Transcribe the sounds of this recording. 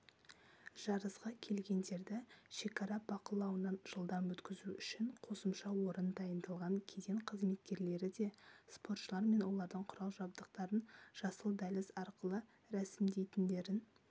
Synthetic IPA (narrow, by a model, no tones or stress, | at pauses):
ʒ̥ɑɾəsqɑkʲʰe̞lɡʲe̞nd̪e̞ɾd̪ɪʃe̞kɑɾɑbɑqəlˠɑwənɑnʒ̥əlˠd̪ɑmwɵt̪kʲɪzuʏʃɪɴqʰo̞səmʃɑwo̞ɾənd̪ɑjənd̪ɑlˠʁɑŋkʲʰed̪ʲeɴqʰəzme̞t̪kʲe̞ɾle̞ɾɪd̪e̞spo̞rt̪ʃəlˠɑɾme̞nwo̞lˠɑɾd̪əɴqʰʊɾɑlˠʒɑbd̪əq̚t̪ɑɾənʒ̥ɑsəlˠd̪ælɪzɑɾqəlˠə | ɾæsɪmd̪e̞jt̪ɪnd̪e̞ɾɪn